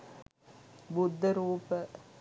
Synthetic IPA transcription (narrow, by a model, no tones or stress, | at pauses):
bud̪ʱːəɾuːpə